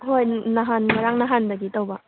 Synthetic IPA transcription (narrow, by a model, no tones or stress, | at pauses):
ɦojnaɦanŋɐɾaŋnaɦandɐɡitɐwbɐ